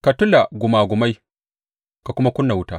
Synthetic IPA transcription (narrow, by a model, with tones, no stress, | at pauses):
ka˨tʊ˦la˨ɡʊ˨maː˨ɡʷʊ˨ma˦j | ka˨kʷʊ˦ma˦kʊ˦nːa˨wʊ˦taː˦